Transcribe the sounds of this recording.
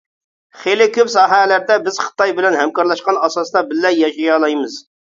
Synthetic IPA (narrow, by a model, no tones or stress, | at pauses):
χejlɪkʲøpsɑːɦɛlæɾd̪ɛbɪz̥χə̥t̪ɑjbɪlɛnɦɛmkɑɾlˠɑʃqɑnɑsɑsd̪ɑbɪlːɛjːɑʃɑjɑlˠɑjmɨz